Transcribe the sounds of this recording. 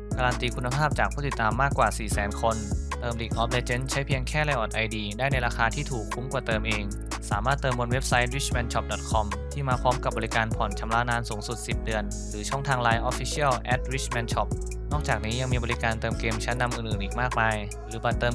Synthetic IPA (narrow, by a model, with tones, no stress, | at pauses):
kaː˧ɾaː˧nt̪iː˧kʰu˧nːa˧pʰaː˥˩p̚t͡ɕaː˨˩k̚ʰuː˥˩t̪i˨˩t̪ːaː˧mːaː˥˩kwaː˨˩siː˨˩sɛː˩˦nkʰo˧nt̪ɤː˧mliː˨˩k̚ʔɔː˦˥p̚le˧t͡ɕe˦˥nt͡ɕʰa˦˥jpʰi˧əŋkʰɛː˥˩la˧jʔɔː˨˩t̪̚ʔa˧jdiː˧daː˥˩jna˧jɾaː˧kʰaː˧t̪ʰiː˥˩t̪ʰuː˨˩kʰːu˦˥mkwaː˨˩t̪ɤː˧mʔeː˧ŋ | saː˩˦maː˥˩t̪ːɤː˧mbo˧nwe˦˥p̚sa˦˥jwi˦˥t͡ɕmɛ˧˥nt͡ɕʰɔ˦˩p̚dɔ˨˩t̪̚kʰɔ˧mt̪ʰiː˥˩maː˧pʰɔː˦˥mka˨˩p̚bɔː˧li˦˥kaː˧npʰɔ˨˩nt͡ɕʰa˧mlaː˦˥naː˦˥nsuː˩˦ŋsu˨˩t̪̚si˨˩p̚dɯ˧ən | ɾɯː˩˦t͡ɕʰɔ˥˩ŋt̪ʰaː˧ŋlaː˧jʔɔː˦˥fiː˦˥sʰi˦˥˩əlʔɛ˦˥t̪̚wi˦˥t͡ɕʰmɛ˧˥nt͡ɕʰɔ˦˥p̚ | nɔː˥˩k̚t͡ɕaː˨˩k̚niː˦˥ja˧ŋmiː˧bɔ˧li˦˥kaː˧nt̪ɤː˧mkeː˧mt͡ɕʰa˦˥nːa˧mʔɯː˨˩nʔɯː˨˩nʔiː˨˩k̚maː˥˩k̚maː˧j | ɾɯː˩˦ba˨˩t̪ːɤː˧m